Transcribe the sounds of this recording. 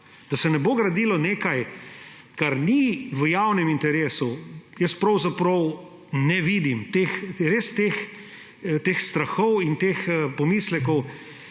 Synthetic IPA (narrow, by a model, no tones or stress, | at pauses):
d̪̥ɐsɛnɛboːɡɾɐd̪iːlɔneːkaj | kaɾniʋəjawnɛmint̪ɛɾeːsujəst̪pɾɐwzapɾɔw | nɛʋiːd̪imt̪exɾeːst̪ex | t̪exst̪ɾɐxɔwint̪eːxpɔmiːslɛkɔw